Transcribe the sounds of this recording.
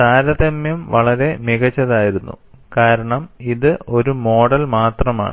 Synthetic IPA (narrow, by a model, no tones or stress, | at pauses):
saːɾɐðɐmjɐmʋɐɭɐɾe̞miɣɐt͡ɕːɐðaːjiɾunːṵ | kaːɾɐɳɐmiðɨo̞ɾumo̞ːɽɐlmaːt̪rɐma̰ːɳɨ